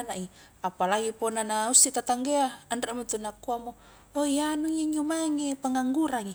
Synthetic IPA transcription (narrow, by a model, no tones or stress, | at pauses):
naʔi | apalaɡiponanaust̪it̪at̪aŋɡeaandramut̪unakuamo | ojanuŋiɲumaŋepəŋaŋɡuɾaŋi